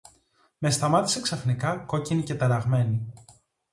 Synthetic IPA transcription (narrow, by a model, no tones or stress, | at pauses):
me̞st̪ɐmɐt̪i̥se̞ksɐfnikɐko̞cinice̞t̪ɐɾɐɣme̞ni